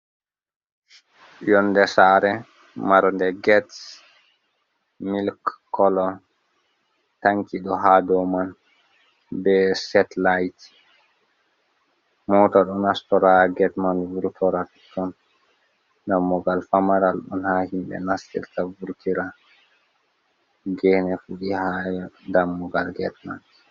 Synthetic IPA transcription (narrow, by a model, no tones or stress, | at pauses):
jɔnːdɛsaɾɛ | maɾndɛɡɛts | milkkːɔlɔ | taŋkiɗɔɦadɔman | bɛsɛtlajt | mɔtɔɗɔnastɔɾaɡɛtmanvuɾtʰɔɾat | tɔn | damːɔɡalfamaɾalɗɔ̰nhahimbɛ̰nastḭɾtavuɾtiɾa | ɡɛnɛfuɗihajɔdamːɔɡalɡɛtma̰nd